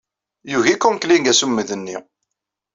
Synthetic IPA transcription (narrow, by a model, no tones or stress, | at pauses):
juʝikːunkliŋɡæsumːəðənːḭ